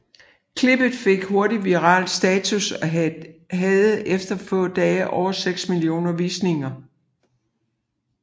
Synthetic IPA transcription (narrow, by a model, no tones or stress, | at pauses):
kʰle̝b̥ð̩ˠfe̝ɡ̥ho̝ɐɾiʋiʁɑ̰̈ːld̥sd̥ɛːt͡sʰusɒɦɛð̩ˠefd̥ɐfɔ̰̽ːd̥ɛːʔɒʊ̰ɐseɡ̥smilio̝̰ːnɐʋisne̝ŋɐ